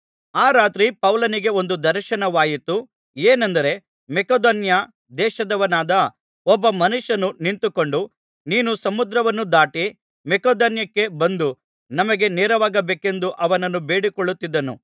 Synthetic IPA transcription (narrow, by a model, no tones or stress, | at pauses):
aːɾaːt̪ɾipɐwlɐniɡe̞o̞nd̪ud̪ɐɾʃɐnɐʋaːjit̪ːu | eːnɐnd̪ɐɾe̞ | mɛkɐd̪oːnja | d̪ɛːʃɐd̪ɐʋɐnaːd̪ɐ | ɔbːɐmɐnuʃːɐnunint̪ukoɳɖu | niːnusɐmud̪ɾɐʋɐnːud̪aːʈi | mɛkoːd̪ɐːnjɐkːe̞bɐnd̪u | nɐmɐɡe̞neːɾɐʋaːɡɐbeːke̞nd̪uʔɐʋɐnɐnːubeːɽikoɭut̪ːid̪ːɐnṵ